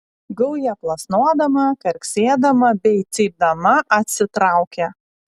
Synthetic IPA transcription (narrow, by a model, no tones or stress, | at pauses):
ɡɐʊjɛplˠɐsnuɔd̪ɐmɐkɐɾʲksʲeːd̪ɐmɐbʲɛɪt̪sʲɛɪb̚d̪ɐmɐʔɐt̪ʲsʲɪt̪ɾɑˑʊkʲɛ